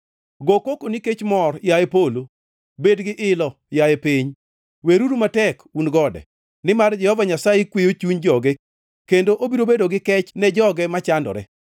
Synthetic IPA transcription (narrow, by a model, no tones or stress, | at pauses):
ɡokokoniket͡ʃmɔrjajepolo | bedɡɪʔɪlɔ | jaepiɲ | weɾuɾumatɛkunɡɔdɛ̰ | nɪmard͡ʒɛhɔvaɲasajekwejot͡ʃuɲd͡ʒɔɡɛ | kendoʔobiɾobedoɡɪkɛt͡ʃnɛd͡ʒɔɡɛmat͡ʃandɔ̰ɾɛ̰